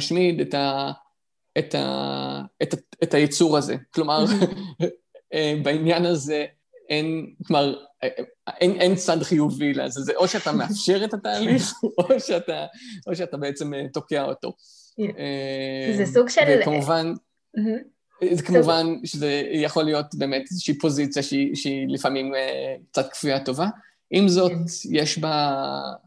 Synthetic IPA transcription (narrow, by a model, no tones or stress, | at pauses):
aʃmideta | eta̰ | etaetajet͡suʁaze̞̰klo̞maʁ | ebainjanaze̞ | ʔenklomaʁ | ʔenʔent͡sadχijuvila̰zezeʔo̞ʃeatameafʃe̞ʁetataːliχoʃeataʔo̞ʃeatabeet͡se̞meto̞keao̞̰to̞̰ | ezesuɡekamuvan | m̩ | zekamuvanʃezejaχo̞lijo̞tbeːmetezeʃiipo̞zit͡sjaʃeiʃeilifamimek̚t͡sat̚kfijato̞va | ʔimzo̞t̪jeʃba